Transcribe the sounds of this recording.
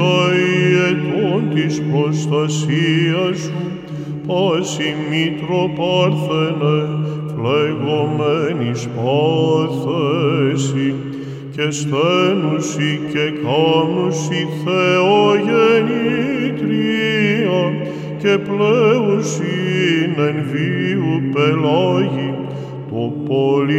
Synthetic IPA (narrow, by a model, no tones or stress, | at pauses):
ɐiet̪ont̪ispɾost̪ɐsiɐsu | pɐsimit̪ɾopɐɾθenefleɣomenispɐθesi | cest̪enusicekɐnusiθeoʝenik̪ɾiɐ | cepleusinenviupelɐʝi | t̪opoli